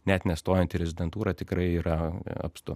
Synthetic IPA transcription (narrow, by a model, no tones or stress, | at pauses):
nʲɛt̪nʲɛst̪oːjɛnt̪ʲɪɾʲɛzʲɪd̪ʲɛnt̪uːɾɑt̪ʲɪkɾɐɪiːɾɐɐ̰pst̪ʊ